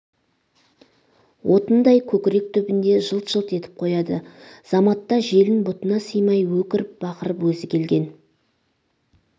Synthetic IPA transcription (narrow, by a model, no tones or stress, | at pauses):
wʔo̞t̪ənd̪ɑjkʲʰɵkʲɪɾe̞k̚t̪ʰʏbɪnd̪e̞ʒəlˠt̪ʒ̥əlˠt̪e̞t̪ɪ̥p̚qʰo̞jɑd̪əz̥ɑmɑt̪ːɑʒe̞lɪnbʊt̪ənɑsəjmɑjwɵkʲɪɾɪp̚bɑqəɾəpwɵzɪkʲʰe̞lɡʲe̞n